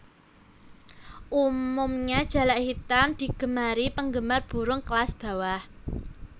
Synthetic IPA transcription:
ʔumʊmɲad̥ʒ̥a̤laʔhit̪amd̪̥i̤ɡ̥ə̤maɾipəŋɡəmarb̥ṳɾʊŋklasb̥a̤wah

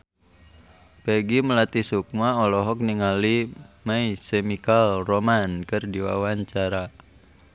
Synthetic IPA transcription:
pɛɡiməlat̪isuk̚maɔlɔɦɔk̚niŋalimaisɛmikalromankɨrdiwa̰waɲt͡ʃaɾa

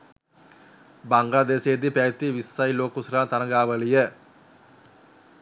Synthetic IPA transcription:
baŋɡlaːd̪eːsed̪ipæt̪iʋisːajloːkusɾaːt̪anɐɡaːʋəlijə

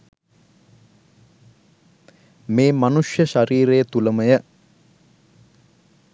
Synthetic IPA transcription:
meːmanuʂjəʃaɾiːɾejət̪uləməjə

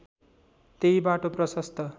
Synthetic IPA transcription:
t̪ejbaʈoprʌsʌst̪ʰʌ

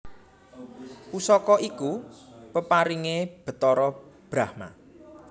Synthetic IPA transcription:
pusɔkɔʔikupəpaɾiŋeb̥ə̤t̪ɔɾɔb̥ɾahma̰

